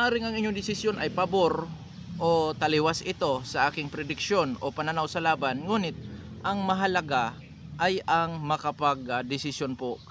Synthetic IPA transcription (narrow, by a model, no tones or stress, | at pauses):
ʔaːɾɪŋɐŋʔɪɲːoŋd̪ɪsɪsjo̞nʔɐjpɐboɾ | ʔot̪ɐlɪwasɪt̪o̞sɐʔaːkɪŋpɾɛd̪ɪkʃo̞nʔopɐnɐnawsɐlaːbanŋuːnɪt̪̚ʔɐŋmɐɦɐlɐɡa | ʔajɐŋmɐkɐpaɡd̪ɪsɪsjonpo